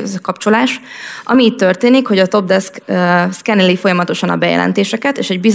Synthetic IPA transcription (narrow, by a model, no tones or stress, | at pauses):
zkɒpt͡ʃo̞laːʃʔɒ̰miːtt̪ːørt̪eːnikho̞ɟɒt̪o̞b̚d̪ɛskskɛnɛlifo̞jɒmɒt̪o̞ʃɒnɒbɛjɛ̰lʔɛ̰nt̪eːʃɛkɛt̪eːʃɛɟbiz